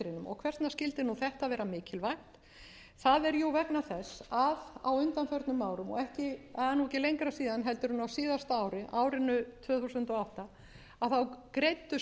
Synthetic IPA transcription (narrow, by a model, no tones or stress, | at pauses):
ɾɪnʏmɔ̰ɣkʰvɛr̥st̪nascɪlt̪ɪnuθɛht̪aðvɛːɾamɪːcɪlvajht̪ | θaðɛɾjowvɛknaθɛsaða̰wʏnt̪anfœɾt̪nʏmːaːwɾʏmɔ̰ɛhcɪɛðanːuɛcɪlejŋkɾasiːðanɦɛl̪t̪ʏɾʏnːawsiːðast̪aːwɾɪʔaːwɾɪnʏt̪ʰvœːθusʏnt̪ɔɣawht̪a | aðθawkɾejt̪ːʏ